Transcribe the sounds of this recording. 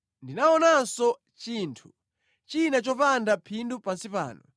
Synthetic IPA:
ndinaɔnansɔ | t͡ʃiːntʰu | t͡ʃinat͡ʃɔpandapʰindupansipa̰ːnɔ̰

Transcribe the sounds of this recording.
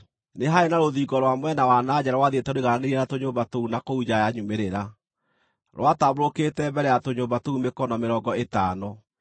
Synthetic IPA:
neɦaenaɾoðiːɡɔɾwamwɛnawanad͡ʑɛɾawaðetɛɾoiɣananeɾienatoɲoːmbatounakoud͡ʑajaɲumeɾeɾa | ɾw̰ataβoɾoketɛbɛɾɛatoɲoːbatoumekɔnɔmeɾɔɡɔetaːnɔ

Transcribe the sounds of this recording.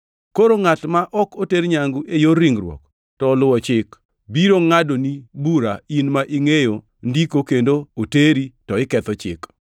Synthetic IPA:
koɾoŋatmaʔɔkoteɾɲaŋɡuʔejoɾiŋrwɔ̰k | tɔːlʊwɔt͡ʃɪk | biɾoŋadonibuɾainmaʔiŋejo | ndikokendooteɾitɔɪkɛt̪ɔt͡ʃɪ̰k

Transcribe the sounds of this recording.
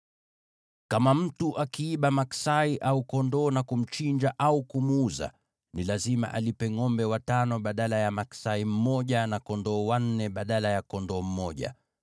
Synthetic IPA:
kamam̩tuʔakiːɓamaksaiʔaukɔndɔːnakum̩t͡ʃiɲd͡ʒaʔaukumuza̰ | nilazima̰ʔa̰lipɛŋɔmbɛwatanɔɓaɗalajamaksaim̩mɔʄanakɔndɔːwan̩nɛɓaɗalajakɔndɔːm̩mɔʄa̰

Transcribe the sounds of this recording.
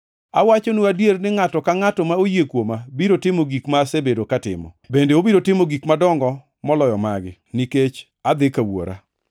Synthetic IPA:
awat͡ʃonuadjernɪŋatɔkaŋatɔmaojekwomabiɾotɪmoɡikmasebedokatɪ̰mɔ̰bendeobiɾotɪmoɡikmadɔŋɡɔ | mɔlɔjɔmaɡɪniket͡ʃ | ad̪ɪkawo̰ɾa̰

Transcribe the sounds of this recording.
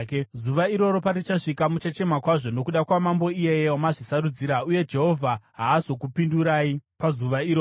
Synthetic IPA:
kzuʋaiɾo̞ɾo̞paɾit͡ʃaʂikamut͡ʃat͡ʃe̞makwaʐo̞no̞kuɗakwamambo̞ije̞jeomaʐisaɾud͡ziːɾauje̞d͡ʒe̞ɦo̞vʱaɦaːzo̞kupinduɾaːipazuʋaiɾo

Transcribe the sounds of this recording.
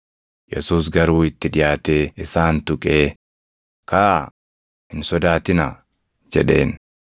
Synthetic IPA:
jɛ̰suːs̬ɡɐɾuːɪt̪ːɪᶑɪjaːt̪eːɪsaːnt̪ʊkʼeː | kaʔ | hɪnsɔd̪aːt̪ɪnɐ | d͡ʒɛᶑe̞̰ːn

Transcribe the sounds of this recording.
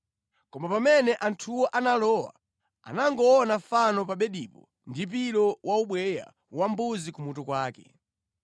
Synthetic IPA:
kɔmapamɛnɛʔantʰuwɔʔanalɔːwa̰ | a̰naŋɡɔɔnafanɔp̬aɓɛɗiːpɔ | ndip̬ilɔwʔauɓwɛja̰ | wambuzikumutɔkwaːkɛ̰

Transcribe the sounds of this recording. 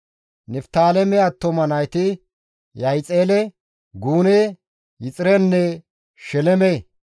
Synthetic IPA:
nɛft̪aːlɛmɛɐt̪ːɔmɐnɐjt̪ɪ | jɐjt͡sʼeːlɛ | ɡuːne | jɪt͡sʼɪɾɛnːɛ | ʃɛlɛme

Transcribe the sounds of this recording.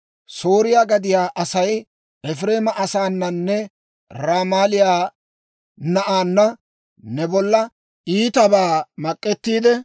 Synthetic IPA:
so̞ːɾɪjaːɡɐd̪ɪjaːʔɐsɐj | ɛfɾe̞ːmɐʔɐsaːnːɐnːɛ | ɾaːmaːlɪjaː | nɐʔaːnːɐ | nɛbɔlːɐ | ʔiːt̪ɐbaːmɐkʼːɛt̪ːiːd̪ɛ

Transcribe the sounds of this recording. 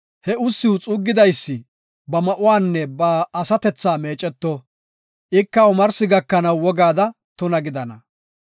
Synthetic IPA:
hɛʊsːɪwʊt͡sʼuːɡːɪd̪ɐjsːɪ | bɐmɐʔʊwaːnːɛbɐːsɐt̪ɛt͡sːaːme̞ːt͡ʃʼːɛt̪ːɔ | ʔɪkːɐʊmɐɾsɪɡɐkːɐnɐwːɔɡaːd̪ɐ | t̪ʊnɐɡɪd̪ɐnɐ

